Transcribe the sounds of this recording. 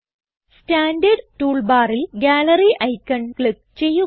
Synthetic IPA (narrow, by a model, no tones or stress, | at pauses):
staːnɖɐɖtuːɭbaːrilɡʲaːlɐriʔɐjkːɐɳkɭip̚ | t͡ɕe̞jːu